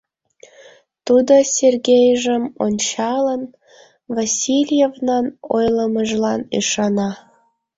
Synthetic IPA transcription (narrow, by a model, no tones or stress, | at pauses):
t̪ud̪osʲerɣʲejʒəmonʲt͡ɕɑlən | vasʲilʲjevnɑnojləməʒlɑnyʃɑnɑ